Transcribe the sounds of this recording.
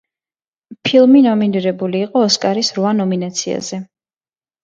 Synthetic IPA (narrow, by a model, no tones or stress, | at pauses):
pʰilˠminɔminiɾɛbuliːqʼɔːskʼaɾisɾvanɔminat̪sʰia̰z̥ɛ